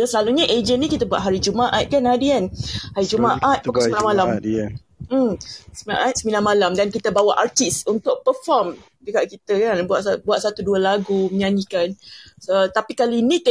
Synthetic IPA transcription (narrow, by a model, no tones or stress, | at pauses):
asəlaluɲaʔed͡ʒənnĩkit̪əbua̰ʔ̪̚ɦaɾid͡ʒumaʔat̪̚kanhadikanhaɾid͡ʒumaʔat̪̚puksmilanmala | m̩səmila̰nʔat̪̚səmilanmalamdankit̪əbawaʔart̪isunt̪ʊk̚pəfɔm | dəkaʔkit̪əkanbuaʔsbuat̪̚sat̪uduəlaɡuməɲãɲikansət̪apikaliːnĩt̪